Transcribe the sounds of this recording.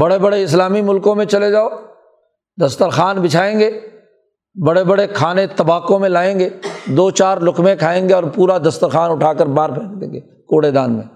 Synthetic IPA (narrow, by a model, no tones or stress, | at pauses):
bɐɽebɐɽeɪs̬laːmimʊlkõmẽt͡ʃɐled͡ʒaːoː | d̪ɐst̪əɾxaːnbɪt͡ʃʰaːẽːŋɡeː | bɐɽebɐɽekʰaːnet̪ɐbaːkõmẽlaːẽːŋɡeːd̪oːt͡ʃaːɾlʊkmẽkʰaːẽːŋɡeɔːɾpuːɾad̪ɐst̪əɾxaːnʊʈʰaːkəɾbaːɾpʰɛ̃ːʈd̪ḛ̃ːŋɡeː | koːɽed̪aːnmḛ̃